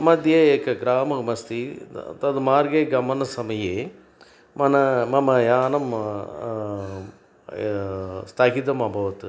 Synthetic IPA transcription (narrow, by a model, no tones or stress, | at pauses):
mɐd̪ʱjeeːkɐɡɾaːmɐmɐst̪it̪ɐd̪umaːɾɡeɡɐmɐnɐsɐmɐjeː | mɐnɐmɐmɐjaːnɐm | st̪ʰaːkit̪̬ɐmɐbʱɐʋɐt̪ɨ